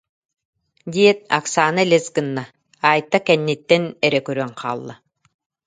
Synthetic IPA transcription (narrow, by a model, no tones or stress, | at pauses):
d̪ʲiɛt̪̚a̰ksaːnɯlʲɛzɡɯnːa | aːjt̪ːakɛnːit̪ːɛnɛɾɛkœɾœŋqʰa̰ːlˠːa